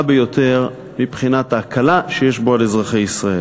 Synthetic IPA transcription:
abejo̞t̪ʰe̞ʁ | mibχinat̪aːkʰalaʃejeʃbo̞alezʁaχejisʁae

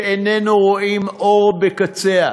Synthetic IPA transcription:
enenuʁoʔimʔoʁbekat͡sea

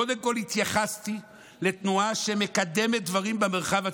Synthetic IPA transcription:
od̪emko̞lhit̪jaχast̪i | le̞t̪nuaʃe̞me̞kad̪e̞me̞t̪̚d̪vaʁimbeme̞ʁχava

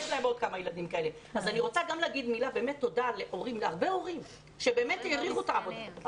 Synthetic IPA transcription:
ʃlaebo̞d̪̚kamajelad̪imkae̞le | azaniʁo̞t͡saɡamleːɡid̪milabe̞ːmet̪ːo̞dale̞ʔo̞ʁimaʁbeo̞ʁim | ʃebe̞ːme̞teʁiχutaavod̪a

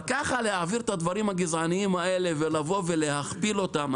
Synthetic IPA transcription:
kaχalehaːviʁet̪ad̪vaʁimhaɡizʕaniimhae̞le̞ve̞lavo̞ve̞le̞haχpilo̞t̪am

